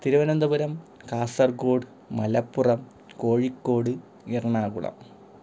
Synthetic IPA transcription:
t̪iɾuʋɐnɐnd̪ɐbuɾɐmkaːsɐrɡoːɽɨ | mɐlɐpːurɐm | ko̞ːɻikːoːɽɨ | irɐɳaːɣṵɭɐ̰m

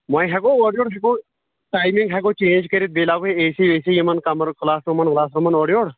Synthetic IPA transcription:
mãːĩɦɛkoːɔːɖijoːɽɦɛːkoː | ʈaːjmɪ̃ŋɡɦɛːɡoːt͡ʃẽːnd͡ʒkəɾebeːlaːɡoeeːsiːʋeːsijimənkɐməɾklaːsɾomənklaːsɾomənɔːɖijoːɽ

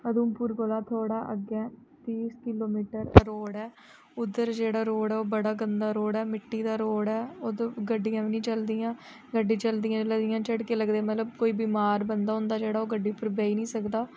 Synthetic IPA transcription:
əd̪uːmpuːɾkoːlaːt̪ʰoːɽaːʔəɡɛː | t̪iːskɪloːmiːʈəɾɾoːɽɛː | ʊd̪ːəɾd͡ʒeːɽaːɾoːɽɛːoːbəɽaːɡənd̪aːɾoːɽɛːmɪʈːiːd̪aːɾoːɽɛːoːd̪ɡəɖːɪjãːʋnĩːt͡ʃəld̪ijãː | ɡəɖːĩːt͡ʃəld̪ijãːləd̪ɪjãːt͡ʃəɽkeːləɡd̪eːmət̪ləb̚koːiːbiːmaːɾbənd̪aːɦʊ̃nd̪aːd͡ʒeːɽaːoːɡəɖːiːpʊɾbɛːiːnĩːsəkd̪aː

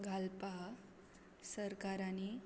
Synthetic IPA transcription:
ɡʱalpa | səɾkaɾani

